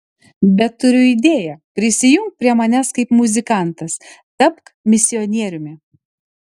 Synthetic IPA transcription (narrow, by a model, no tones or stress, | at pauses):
bʲɛt̪ːʊɾʲʊid̪ʲeːjɛpʲɾʲɪsʲɪjʊŋkt̚pʲɾʲiɛmɐnʲæskɐɪpmʊzʲɪkɑˑnt̪ɐs | t̪ɐpkmʲɪsʲɪɔnʲiɛɾʲʊmʲɪ